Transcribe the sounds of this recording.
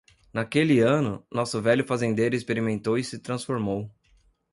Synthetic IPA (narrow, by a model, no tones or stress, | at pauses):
nakelɪɐ̃nʊnɔsʊvɛʎʊfazẽnd̪ejɾʊɪspeɾimẽnt̪owɪsɪt̪ɾɐ̃sfoɾmow